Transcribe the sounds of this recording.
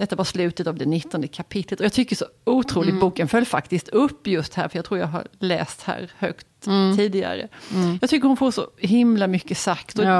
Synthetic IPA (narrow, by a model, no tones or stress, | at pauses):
d̪ɛt̪ːavaʂslʉ̟ːt̪ət̪avd̪ɛnɪt̪ːɔnd̪əkʰapʰɪt̪lət̪ɔjɑːt̪ʰʏkːəʂɔuːt̪ʰɾuːlɪɡbuːkənfœlːfakt̪ɪst̪ʰɵpːjɵst̪hæ̰ːɾfœɾjɑːɡt̪ʰɾuːɾjɑ̰ːɡɦa̰ɾlɛ̰ːst̪hæ̰ːɾhœ̰kt̪ʰːiːd̪ɪɡa̰ɾə̰jɑɡt̪ʰʏkːəɾhʊnfoːʂɔ̰ɦɪmlamʏkːəsakt̪ɔ